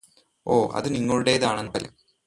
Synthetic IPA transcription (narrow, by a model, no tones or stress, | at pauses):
o̞ːʔɐ̰ðɨniŋːɐɭuɽe̞ːðaːɳenːɐpɐlḛ